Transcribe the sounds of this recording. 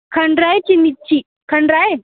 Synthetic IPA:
kʰəɳɖɾajt͡ɕimitt͡ɕi | kʰəɳɖɾae

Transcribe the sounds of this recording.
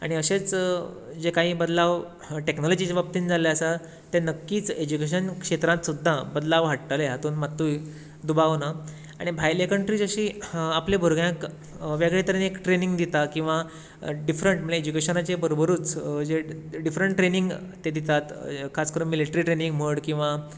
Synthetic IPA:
a̰ɽ̃iəɕet͡s | d͡zekãɦĩːbəd̪laʋ | ʈeknɔlɔd͡ʑit͡ɕeʋap̚t̪iːnd͡zaleəsa | t̪enəkːiːt͡sed͡ʑukeɕ̬ənkʂet̪ɾãt̪sud̪ʱːabəd̪laʋɦaʈʈəleɦat̪uːnmat̪ːu | d̪ubaʋna | a̰ɽ̃ibʱajlekəɳʈɾid͡zəɕiːaplebʱəɾɡjãk | ʋjaɡɭet̪əɾənekʈɾeniŋɡd̪it̪akĩw̃ʋa | ɖifɾəɳʈməleed͡ʑukeɕənat͡ɕebəɾobəɾuːt͡sd͡zeɖifɾəɳʈʈɾeniŋɡt̪ed̪it̪at̪kʰaskəɾuːnmiliʈəɾiʈɾeniŋɡm̤əɽkĩw̃ʋa

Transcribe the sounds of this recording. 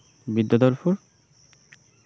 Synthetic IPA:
bid̪ːad̪ɔɾfuɾ

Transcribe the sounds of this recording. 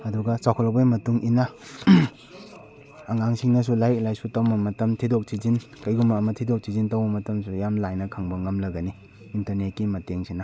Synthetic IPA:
ɐduɡasawkʰɔlabajmɐtuŋʔina | ŋaŋsiŋnɐs̬ulajk̚lajsutawmɐmɐtɐmtʰidɔk̚tʰizin | kɐjɡumɐːmɐtʰidɔk̚sʰizintawbɐmɐtɐmsujamlajnɐkʰaŋbɐŋɐmlɐɡɐni | intɐɾnet̚kimɐteŋsina

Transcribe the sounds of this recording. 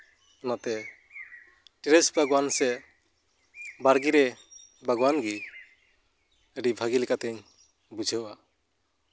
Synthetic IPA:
ɔnat̪ɛ | ʈiɾɛsbʱaɡwansɛ | baɾɡiɾɛbʱaɡwanɡi | əɖibʱaɡilɛkat̪ɛɲ | bud͡ʒʱəwa

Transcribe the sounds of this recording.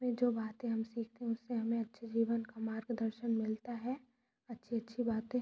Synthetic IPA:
mẽd͡ʒoːbaːt̪ẽɦɐmsiːkʰt̪eɦɛ̃ʊsːeɦɐmẽɐtːʃʰd͡ʒiːʋənkamaːɾɡd̪əɾʃənmɪlt̪aɦɛ | ɐtːʃʰiɐtːʃʰibaːt̪ẽ

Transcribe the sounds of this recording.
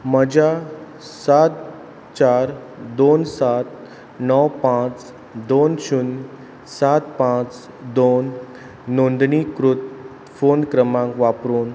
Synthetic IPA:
məd͡ʑa | sat̪̚ | t͡ɕaɾ | d̪onsat̪̚ | nɔwpãt͡s | d̪onɕun | sat̪pãt͡s | d̪onː | ond̪nikɾut̪̚ | fonkɾəmãŋkʋapɾuːn

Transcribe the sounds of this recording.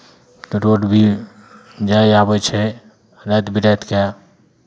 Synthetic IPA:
t̪oɾoɖbʱi | d͡ʒaabət͡ʃʰɛ | ɾɛt̪bʱiɾət̪ka

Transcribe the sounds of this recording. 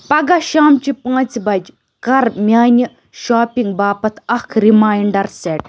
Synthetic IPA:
pɐɡaʃaːmt͡ʃipãːt͡sbɐd͡ʒ | kɐɾmʲaːnʲɐ | ʃaːpʲiŋɡ̚baːpɐt̪ʰɐkʰɾimaːjɳɖɐɾseʈ̚

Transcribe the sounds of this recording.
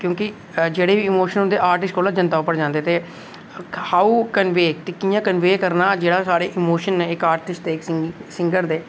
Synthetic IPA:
kjõːkɪ | d͡ʒeːɽeːʋiːɪmoːʃənɦʊ̃nd̪eːʔaːɾʈɪsʈkʰoːlaːd͡ʒənt̪aːʊpːəɽd͡ʒãːnd̪eːt̪eː | haːuːkənʋeːkt̪ekiːjãːkənʋeːkəɾnaːd͡ʒeːɽaːsaːɾeːʔɪmoːʃənːẽːɪkaːɾʈɪsʈd̪eːɪkɪsɪ̃ŋɡəɾd̪eː

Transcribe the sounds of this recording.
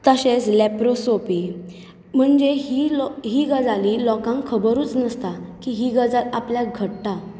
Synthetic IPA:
t̪əɕeslɛpɾosopi | m̤əɳd͡zeɦiɦiːɡəd͡zalilɔkãŋkkʰəbəɾuːt͡snəst̪akiɦiɡəd͡zalapljaɡʱəʈʈa

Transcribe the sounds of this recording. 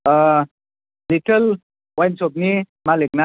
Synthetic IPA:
liʈəl | wajnsopni | malekna

